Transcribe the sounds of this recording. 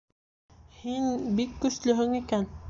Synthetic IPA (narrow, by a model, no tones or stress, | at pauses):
hinbikːɵʃlɵɦɵŋikæn